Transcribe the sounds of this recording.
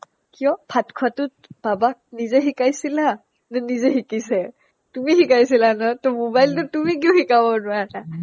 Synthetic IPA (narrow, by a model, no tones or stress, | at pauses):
kijɔpʰatkʰwatʊt̚b̥abak̚nizɛɦikajsila | nɛnizɛxikisɛ | tumixikajsilanɔtɔmobajltʊtumik̬iʊhikabɔnʊana